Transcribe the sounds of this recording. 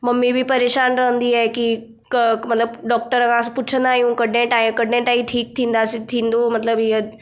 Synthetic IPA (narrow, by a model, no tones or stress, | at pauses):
mɐmːibʱipɐɾeːʃaːnɾɐɦə̃nd̪iɛki | kmɐt̪ləbɖɔːk̚ʈəɾɐkãspʊt͡ʃʰə̃nd̪aːɦijũkɐɽnẽʈaːĩkɐɽnẽʈaːĩʈʰiːk̚t̪ʰĩːnd̪asit̪ʰĩːnd̪omɐt̪ləbɪjə